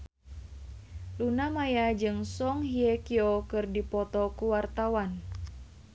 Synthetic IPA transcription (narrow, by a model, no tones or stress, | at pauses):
lunamajad͡ʒɨŋsɔŋhiekiokɨrdipɔt̪ɔkuwart̪awan